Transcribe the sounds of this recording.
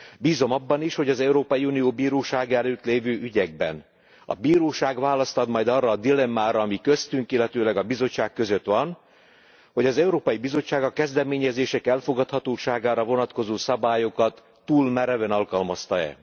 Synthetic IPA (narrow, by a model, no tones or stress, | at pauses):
biːzo̞mɒbːɒniʃho̞ɟɒzɛuɾoːpɒjiunijoːbiːɾoːʃaːɡɛløːt̪leːvøːʔyɟɛɡ̚bɛ̰n | ɒ̰biːɾoːʃaːɡʋaːlɒst̪ɒd̪mɒjd̪ɒrɒːd̪ilɛmːaːɾɒːmikø̞st̪yŋkilːɛt̪øːlɛɡɒbizo̞t͡ʃːaːkːø̞zø̞t̪ʋɒn | ho̞ɟɒzɛuɾoːpɒjibizo̞t͡ʃːaːɡɒkɛzd̪ɛmeːɲɛzeːʃɛkɛlfo̞ɡɒt̪hɒt̪oːʃaːɡaːɾɒvo̞nɒt̪ko̞zoːsɒbaːjo̞kɒt̪ːuːlmɛɾɛvɛnɒlkɒlmɒst̪ɒɛ̰